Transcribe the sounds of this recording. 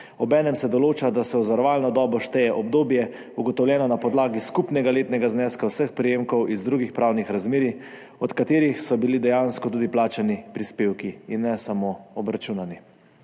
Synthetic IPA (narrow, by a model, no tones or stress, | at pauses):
ɔbɛːnɛmsɛd̪ɔloːt͡ʃad̪asɛɔzaɾʋaːlnɔd̪ɔːbɔʃt̪ɛjɛʔɔbd̪oːbjɛ | uɡɔt̪ɔwlʲjɛːnɔnapɔd̪laːɡiskupnɛɡaleːt̪nɛɡaznɛːskawsəxpɾijeːmkɔwʔizd̪ɾuːɡixpɾaːwnixɾazmeːɾi | ɔt̪kat̪eːɾixsɔbilid̪ɛjanskɔt̪uːd̪iplaːt͡ʃanipɾispeːwkiinːɛsamoɔbɾat͡ʃuːnani